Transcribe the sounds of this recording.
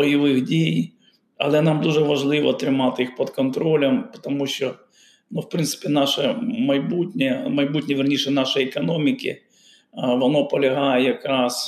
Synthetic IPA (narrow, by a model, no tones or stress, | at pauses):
ɔjɪʋɪxdʲij | ɐ̰lˠɛnɑmd̪uʐɛʋɐʐlˠɪʋɔ̰t̪ɾɪmɑt̪ɪixpɔt̪kɔnt̪ɾolʲɐmpɔ̥t̪ɐmuɕʲt͡ʃɔ | nufpɾɪnt̪sɪ̥pʲɪnɑʃɛmɐjbutʲnʲɛmɐjbutʲnʲiʋʲɪrnʲiʃɛnɑʂɐjɛkɐnɔmʲɪkʲɪ̰ | ʋɔnɔpɔlʲɐɦajɛjɐkɾɑs